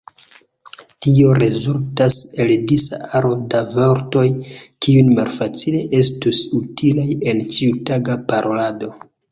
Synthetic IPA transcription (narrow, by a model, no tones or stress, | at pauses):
tio̞ɾe̞zultase̞ldisa̰aɾo̞davo̞ɾto̞jkiujmalfat͡sileʔe̞stusutʰilaje̞nt͡ʃiutaɡapaɾʔo̞lado̞